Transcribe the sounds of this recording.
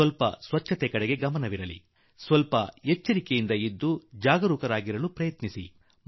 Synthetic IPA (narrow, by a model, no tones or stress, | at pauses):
ɐlpɐ̰sʋɐt͡ʃʰːɐt̪ekɐɽeɡe̞ɡɐmɐnɐʋiɾɐlḭ | sʋɐlpɐet͡ʃːɐɾikejind̪ɐid̪ːud͡ʒaːɡɐɾuːkɐɾaːɡiɾɐlupɾɐjɐt̪nisḭ